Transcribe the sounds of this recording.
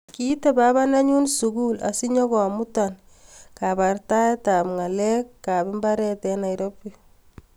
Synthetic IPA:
kitebaβanaɲunsuɡula̰siɲɔkɔmutan | kapartatapŋalɛkːabimbaɾɛtɛnaɾopːi

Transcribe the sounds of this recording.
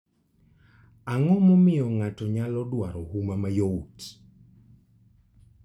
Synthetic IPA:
aŋɔmɔmɪjɔŋatɔɲalɔdwaɾɔhumamajout

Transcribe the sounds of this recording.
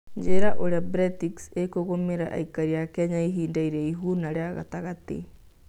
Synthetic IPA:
d͡ʒeɾaʔoɾeabɾɛtikseikoɣomeɾa̰ʔa̰ikaɾiakeaɲaiɦiːndaiɾeiɦunaɾeaɣa̰taɣat̪ḛ

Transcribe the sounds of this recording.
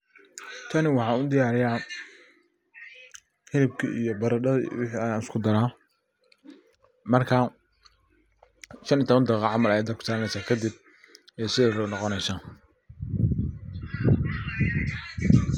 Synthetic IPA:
t̪ʰɐnɪwɑħɑːnʊd̪ɪjaːɾɪjaː | hɪlɪb̚kʰḭʔḭjɔbɐɾɐɖɐwɪħinɪskʰʊd̪ɐɾaː | mɐrkʰa | ʃɐnɪjt̪ʰɔβɐnt̪ɐqɑʕɑmɐlɐjaːd̪ɐpkʰʊ̥saːɾɐnɛjsaːkʰɐd̪ib̚ | ɛːsɪðɛɾnɔqɔnɛjsaː

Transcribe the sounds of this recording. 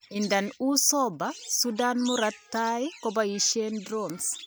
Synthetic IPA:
indanusɔbasudanmuɾatːajikɔbajiʃendɾɔns

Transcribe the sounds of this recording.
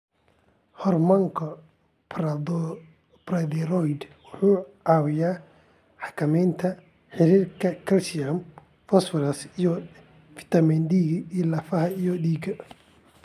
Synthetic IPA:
hɔrmɐŋkʰɔ | prd̪ | brɐd̪ɛrɔjd̪wʊħuːʕɑːwɪjaː | ħɑ̥kʰɐmɛjnt̪ʰɐ | ħɪɾiːrkʰɐkʰɐlsɪjam | fɐsfɪlɐsijɔ | fɪ̥t̪ʰɐmind̪iːɡilɐfɐɦɐijɔd̪iːɡɐ

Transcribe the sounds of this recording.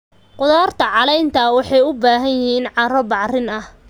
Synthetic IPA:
qʊðaːrt̪ʰɐʕɑlɛjnt̪ʰɐwɑħɑjʊbaːɦɐnjɪɦiːnʕɑrɔbɑʕrɪnɐh

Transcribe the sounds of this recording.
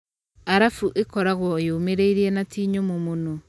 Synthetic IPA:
aɾafuʔekɔɾaɣwɔjoːmeɾeiɾienatiːɲomomono

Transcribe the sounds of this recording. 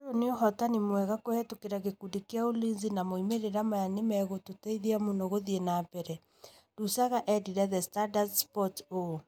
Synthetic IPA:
ɾoneoɦɔtanimwɛɣakoɛtokeɾaɣekudekeaolinzinamoimeɾeɾamajanemɛɣototeiðiamunoɣoðienaːbɛɾɛ | ɾusaɣaʔɛdiɾɛðɛstadasspɔto

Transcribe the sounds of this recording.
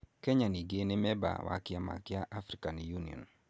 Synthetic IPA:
kɛɲaniɡenemɛba̰wʔa̰kɪama̰kɪaʔafɾikanjuniɔ̰n

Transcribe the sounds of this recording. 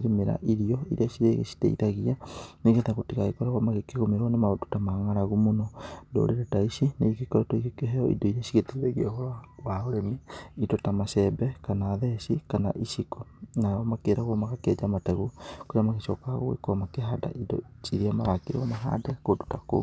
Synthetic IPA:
ɾemeɾa̰ʔiɾiɔiɾiaʃiɾeɣḛsi̥tḛḭtaɣianeɣetaɣotiɣaekɔɾaɣwamaɣekeɣomeɾɔnemaodo̥tamaŋaɾaɣumonɔdo̰ɾeɾataiʃineikekɔɾɔtoikekeɦɛɔḭdɔiɾiaʃiɣeteðeɣeɔhɔɾwawaoɾemeidɔtamasɛbɛkanaːðɛsikana̰ʔiʃikɔnaɔmakeːɾaɣɔmaɣakɛd͡ʒamatɛɣukoɾeamaɣeʃɔːkaɣo̰ḛkomakeɦada̰ʔidɔ̰t͡ʃiɾiamaɾakeɾwa̰maɦa̰dɛkodotako̰

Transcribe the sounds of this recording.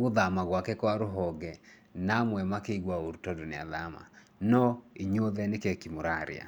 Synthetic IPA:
ɣoðamaɣwakɛkwaɾoɦɔɡɛ | namwɛmakeiɣwaoɾutɔdonea̰ðama̰ | nɔiɲoðɛnekɛkimoɾaɾḛa̰

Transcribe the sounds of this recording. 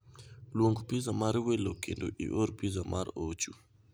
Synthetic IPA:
lwoŋɡpizamaɾwelokḛndoʔḭʔoɾpizamʔaɾot͡ʃu

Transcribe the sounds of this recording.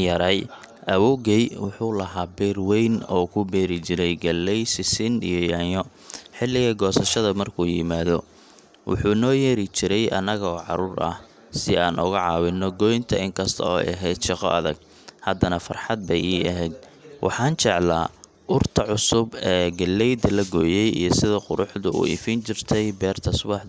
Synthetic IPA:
jɐɾɛjʔɐwɔːɣɛjwʊħuːlɐɦaːbɛːrwɛjnɔːkʰʊbɛːɾɪt͡ʃɪɾɛjɡɐlːɛjsɪsɪnḭjɔjaːjɔ | ħɪlːɪɣɐɡɔːsɐʃɐðɐmɐrkʰuːjɪmaːðɔ | wʊ̰ħuːnɔːjɛːɾɪt͡ʃɪɾɛjʔɐ̰nɐɣɐɔːʕɑ̰ɾuːrʔɐ̰h | sɪaːnʔʊɣɐʕɑːwɪnːɔɡɔjnt̪ʰɐɪŋkʰɐst̪ʰɐ̰ɔ̰ːʔɛɦɛjd̪ʃɑqɔ̰ʔɐðɐɡ̚ | hɐd̪ɐnɐfɐrħɑd̪̚bɛjiːɐɦɛjd̪̚ | wʔɑ̰ħɑːnt͡ʃɛʕla̰ː | ʔʊrt̪ʰɐʕʊsʊbɛːɡɐlːɛjd̪ɐlɐɡɔːjɛjḭjɞsɪðɐqʊ̰ɾʊħðʊʊ̰ʔɪ̰fɪnt͡ʃɪrt̪ʰɛjbɛːrt̪ʰɐsʊbɑħ

